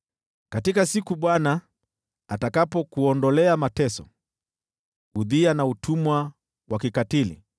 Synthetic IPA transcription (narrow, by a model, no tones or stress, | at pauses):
katikasikuɓwana | atakapɔkuɔndɔlɛamatɛsɔ | uðianautʰumwa | wakikatilḭ